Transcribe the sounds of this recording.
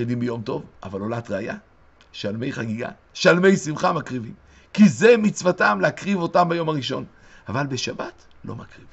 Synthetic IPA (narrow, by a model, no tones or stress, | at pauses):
idimbejo̞mto̞vʔa̰valo̞latʁeaja̰ | ʃalme̞jχaɡiɡa̰ | ʃalme̞jsimχamakʁivim | kizemit͡svatamleakʁivo̞tambajo̞maʁiʃo̞̰n | avalbeʃabat | lo̞̰makʁiv